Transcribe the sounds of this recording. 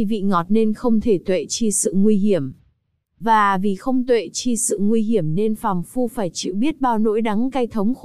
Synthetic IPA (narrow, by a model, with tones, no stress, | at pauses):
vḭ˧˨ŋɔ˨˩t̚ne˧nxə˧wŋ͡mt̪ʰe˧˩t̪wḛ˧˨t͡ɕi˧sɨ̰˧˨ŋwi˧ɦi˧˩əm | vaː˨˩vi˨˩xə˧wŋ͡mt̪wḛ˧˨t͡ɕi˧sɨ̰˧˨ŋwi˧ɦi˧˩əmne˧nfaː˨˩mfu˧faː˧˩jt͡ɕḭ˧˨wɓi˦˥ət̚ɓaː˧wno̰˧˥jɗa˨˦ŋka˧jt̪ʰə˨˦wŋ͡mx